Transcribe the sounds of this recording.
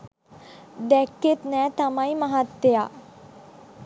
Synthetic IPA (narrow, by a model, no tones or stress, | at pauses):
d̪ɛkːet̪nɛ̃ːt̪ɐmaimɐɦɐt̪ːejaː